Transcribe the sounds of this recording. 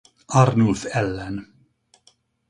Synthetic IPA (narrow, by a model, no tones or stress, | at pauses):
ɑɾnʊlfɛlːɛn